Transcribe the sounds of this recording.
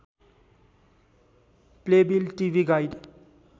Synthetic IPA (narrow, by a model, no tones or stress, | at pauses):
plebilʈiʋiɡajɖ